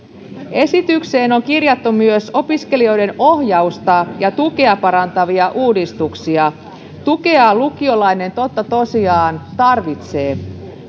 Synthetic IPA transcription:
e̞sit̪ykse̞ːno̞ŋkirjɑt̪ːumyøso̞piske̞lio̞jde̞no̞hjɑust̪ɑjɑt̪uke̞ɑpɑɾɑnt̪ɑʋiɑʔuːdist̪uksiɑ | t̪uke̞ɑlukio̞lɑine̞nt̪o̞t̪ːɑt̪o̞siɑːnt̪ɑrʋit̪se̞ː

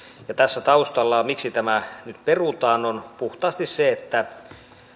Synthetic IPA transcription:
jɑt̪æsːæt̪ɑust̪ɑlːɑːmiksit̪æmænyt̪perut̪ɑːnonpuht̪ɑːst̪isseet̪ːæ

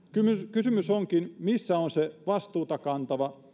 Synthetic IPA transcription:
kymykysymysoŋkinmisːæonseʋɑst̪uːt̪ɑkɑnt̪ɑʋɑ

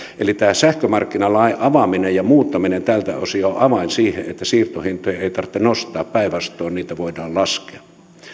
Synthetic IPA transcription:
elit̪æːsæhkømɑrkːinɑlɑiʔɑʋɑminejjɑmuːt̪ːɑminent̪ælt̪æ̰o̰sioʔɑʋɑinsiːhḛʔet̪ːæsiːrt̪ohint̪ojɑeˑit̪ɑrt̪ːenost̪ɑːppæiʋɑst̪ˑoːnniːt̪æʋoidɑːllɑskeɑ̥

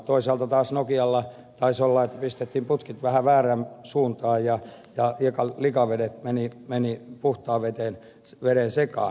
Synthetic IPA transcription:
t̪oisɑlt̪ɑt̪ɑːsnokiɑlːɑ | t̪ɑisolːɑet̪ːæ̥pist̪et̪ːiːmput̪kit̪ʋæhæʋæːræmsuːnt̪ɑːjjɑ | jɑikɑlikɑʋedet̪menimenipuht̪ɑːʋet̪en | ʋeɾensekɑ̰ː

